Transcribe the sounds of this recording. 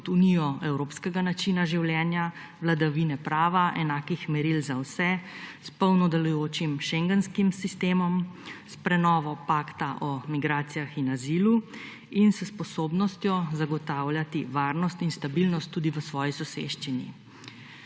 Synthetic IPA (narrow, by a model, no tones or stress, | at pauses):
kɔt̪unijɔɛwɾoːpskɛɡanat͡ʃinaʒiwljɛːnja | ʋlad̪aʋinɛpɾaːʋaʔɛnaːkixmɛɾilzawsɛspɔwnɔd̪ɛlujoːt͡ʃimʃɛŋɡɛnskimsist̪eːmɔmspɾɛnɔːʋɔpaːkt̪aʔɔmiɡɾaːt̪sijaxinaziːlu | insspɔsoːbnɔst̪jɔzaɡɔt̪awlʲjat̪iʋaːɾnɔst̪inst̪abilnɔst̪ːud̪iʋəsʋɔːjisɔsḛʃt͡ʃinḭ